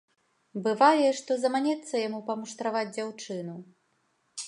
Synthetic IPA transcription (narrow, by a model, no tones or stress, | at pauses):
bɨvajɛʂt̪ɔzɐmanʲɛt̪sːɐjamupɐmuʂt̪ɾavad͡zʲd͡zʲawt͡ʂɨnu